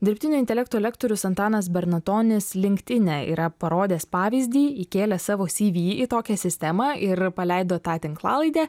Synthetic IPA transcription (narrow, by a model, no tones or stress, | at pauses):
d̪ʲɪɾʲpʲt̪ʲɪnʲʊɪnʲt̪ʲɛlʲɛkt̪oːɛlʲɛkt̪oːɾʲʊsɐnt̪ɑːnɐs̬bʲɛɾnɐt̪oːnʲɪslʲɪŋʲkʲt̪ʲɪnʲɛːḭːɾɐpɐɾoːd̪ʲeːspɑːʋʲiːzʲd̪ʲiːikʲeːlʲɛsɑːʋoːsʲiːʋʲiːit̪oːkʲɛsʲɪsʲt̪ʲɛmɑːʔɪɾpɐlʲɛɪd̪oːt̪ɑːt̪ʲɪŋklˠɑːlˠɐɪd̪ʲæː